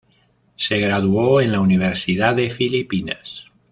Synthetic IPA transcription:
seɣɾað̞uoenlauniβ̞eɾsiðaðefilipina̰s

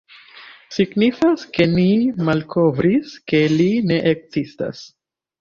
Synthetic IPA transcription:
siɡnifaske̞nimalkʰo̞vɾiske̞line̞ʔek̚zista̰s

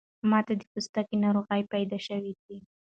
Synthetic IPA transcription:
mɑt̪ad̪əpust̪akenɑɾoɣəjpajd̪ɑʃəwid̪i

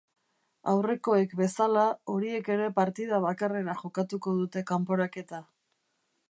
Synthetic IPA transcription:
awre̞ko̞e̞kbe̞salao̞ɾie̞ke̞ɾe̞paɾt̪iðaβakare̞ɾaʝo̞kat̪uko̞ðut̪e̞kampo̞ɾake̞t̪a

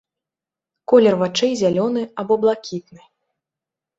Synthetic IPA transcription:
kɔlʲɛrvat͡ʂɛjzʲalʲɔnɨabɔblˠakʲit̪̚nɨ

